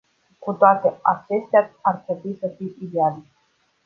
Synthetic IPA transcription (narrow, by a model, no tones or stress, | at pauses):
kut̪oat̪eat͡ʃest̪ʲaarput̪isəfiid̪eal